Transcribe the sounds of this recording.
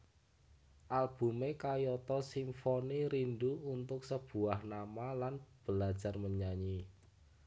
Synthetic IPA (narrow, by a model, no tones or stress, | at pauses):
ʔalb̥ṳmekajɔt̪ɔsimfoniɾinɖuunt̪ʊk̚səb̥ṳahnamalanb̥əlad̥d͡ʒ̥a̤rməɲaɲi